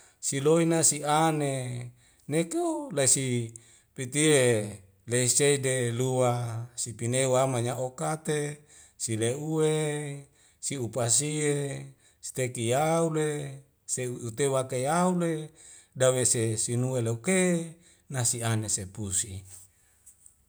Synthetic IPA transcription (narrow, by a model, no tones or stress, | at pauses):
siloinasiane | neklaisi | pit̪ie | leiseideluwasipineuamaɲaʔokat̪e | sileue | siupas̬ie | si̥t̪ekijaule | seuut̪ewakejaule | dawesesinueleuke | nasianesepusi